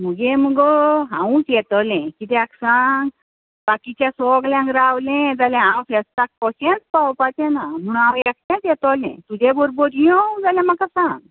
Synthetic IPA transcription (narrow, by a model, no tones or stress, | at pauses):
m̤uɡẽmuɡɔɦãwũkjɛt̪ɔlɛ̃kit̪ɛ̃aksaŋɡ | bakit͡ɕasɔɡlãŋɡɾawlẽd͡zalɛ̃ɦãwfɛst̪ak̚kɔɕẽnt͡spawpat̪ɛ̃nam̤uɽ̃ãwɛk̚t̪ãt͡sjɛt̪ɔlɛ̰̃t̪ud͡ʑebɔɾbɔɾijɔ̃d͡zaljãm̤akasãŋɡ